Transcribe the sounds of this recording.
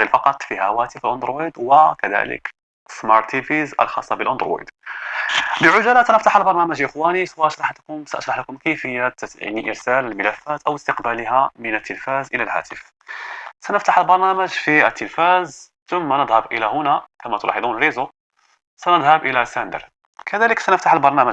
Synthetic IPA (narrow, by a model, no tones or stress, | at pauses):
ɣilfɑqɑt̪ˤfihæwæt̪əfəlʔʊnd̪ɾwid̪wəkæd̪æ̰lə̰k | smɑɾˤt̪ifizʔə̰lxɑ̰sˤːɑbəlʔʊnd̪ɾwḛd̪ | bəʕʊʒælæsænəft̪aħəlbɑɾˤnæmæʒʔəxwæniswæʔɑʃɾˤɑħt̪kʊmsaʔɑʃɾɑħlækʊmkæjfəjːat̪a̰niʔəɾsæləlməlæfːæt̪ʔæwəst̪əqbæliɦæmənət̪ʰːəlfæzʔəlælhæ̰t̪əf | sænəft̪aħəlbɑɾˤnæməʒfiət̪ːəlfæz | t̪ʊmːanəd̪ˤhəbʔəlæhʊnækæmæt̪ʊlʔɑ̰ħed̪ˤunɾizo | sænəd̪ˤhəbʔəlæsænd̪ə̰ɾ | kʰæd̪æləksænəft̪aħəlbɑɾˤnæmæʒ